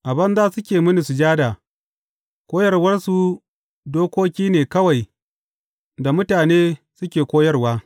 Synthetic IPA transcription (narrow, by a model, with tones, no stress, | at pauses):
ʔa˨bɐ˦nzaː˦sʊ˦kʲeː˨mʊ˦ni˨su˨d͡ʒaː˦daː˨ | kʷoː˦jɐ˦rwɐ˦rsu˨ | doː˦kʷoː˦kʲiː˦neː˨kɐ˦wa˨j | da˨mʊ˦taː˨neː˦sʊ˦kʲeː˨kʷoː˦jɐ˦rwaː˦